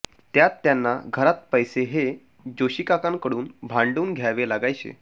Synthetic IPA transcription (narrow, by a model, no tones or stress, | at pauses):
t̪jat̪ːjanːaɡʱəɾat̪̚pəjseɦe | d͡ʑoɕikakãŋkəɽuːnbʱãɳɖuːnɡʱjaʋelaɡajt͡ɕḛ